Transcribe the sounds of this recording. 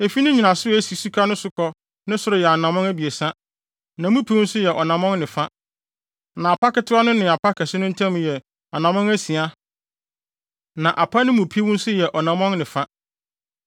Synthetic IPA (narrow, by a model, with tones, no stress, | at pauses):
e˨fi˦nɪ̃˦ɲi˨nã˨sʊ˦æ˦si˨su˦kʰa˦nʊ̃˦sʊ˦kʰɔ˦ | nɪ̃˦sʊ˨ɾʊ˨jɛ˨a˨nã˨mɔ̃˦ŋæ˦bi˨e˨sa˦ | nã˨mũ˦pʰi˦wʊ̃˦n̩˦sʊ˦jɛ˨ʔɔ˨nã˨mɔ̃˦nnɪ̃˨fa˦ | nã˨a˨pʰa˦kɛ˨tʰʊ˦a˦nʊ̃˦nɪ̃˨a˨pʰa˦kʰɛ˨sɪ˦nʊ̃˦n̩˦tʰã˦m̃˨jɛ˨ | a˨nã˨mɔ̃˦ŋæ˦si˨a˦ | nã˨ʔa˨pʰa˦nɪ̃˦mũ˨pʰi˦wʊ̃˦n˦sʊ˦jɛ˨ʔɔ˨nã˨mɔ̃˦nnɪ̃˨fa˦